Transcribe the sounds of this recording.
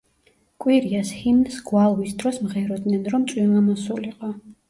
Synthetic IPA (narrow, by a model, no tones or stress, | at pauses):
kʼwiɾiashinsɡwalˠwisd̪ɾɔsmʁɛɾɔd̪nɛnɾɔmt̪sʼwimamɔsuliqʼɔ